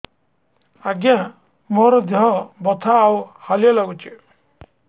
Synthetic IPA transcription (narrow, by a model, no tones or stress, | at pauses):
aɡjã | mɔɾɔd̪ɔɦɔbɔt̪ʰaːwhalijɔlaɡut͡ʃʰi